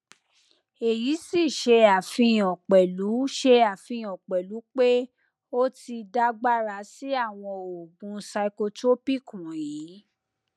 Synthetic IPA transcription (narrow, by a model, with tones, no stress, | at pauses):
e˨ji˨˦si˦˨ʃe˧a˨fĩ˧˦˨ɔ̃˨k͡pɛ˨lu˨˦ʃe˧a˨fĩ˧ɔ̃˨k͡pɛ˨lu˨˦k͡pe˦ | o˦ti˧da˦ɡ͡ba˦ɾa˧˦si˦a˦˨w̃ɔ̃˧o˨ɡũ˨˧sa˧i˧ko˧to˦pi˦˨kũ˨ji˨˦